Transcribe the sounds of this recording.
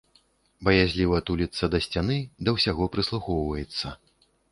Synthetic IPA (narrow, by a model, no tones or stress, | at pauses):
bɐjazʲlʲivɐt̪ulʲit̪sɐd̪ɐsʲt͡sʲan̪ɨd̪ɐwsʲaɣɔpɾɨslˠuxɔwvɐjɛt̪sːɐ